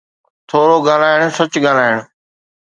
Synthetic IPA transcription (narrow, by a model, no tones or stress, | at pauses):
t̪ʰoːɾoɡaːlaːɪɽ̃sɐt͡ɕɠaːl̤aːɪɽ̃